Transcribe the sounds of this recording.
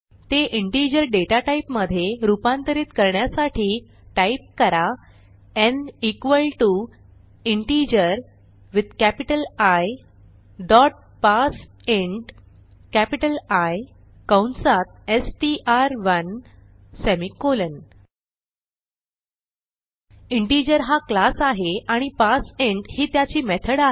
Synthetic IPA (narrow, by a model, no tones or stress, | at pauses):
t̪eʔiɳʈid͡ʑəɾɖeʈaʈaipməd̪ʱjeɾupãnt̪əɾiːt̪kəɾɳjasaʈʰiː | ʈaip̚kəɾa | ɛnikʋəlʈu | iɳʈid͡ʑəɾ | ʋid̪kæpiʈəlaj | ɖɔʈ̚ | pas | ẽɳɖ | kæpiʈəlaj | kə̃wnsat̪̚esʈiʔaɾʋən | sɛmikolən | iɳʈid͡ʑəɾɦaklasaɦeaɽ̃ipaseɳɖhiːt̪jat͡ɕiːmɛt̪ʰəɽaɦe